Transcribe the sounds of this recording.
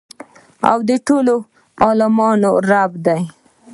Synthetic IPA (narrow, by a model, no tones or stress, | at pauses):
a̰wd̪əʈolo | ɑlɪmɑnoɾabd̪aj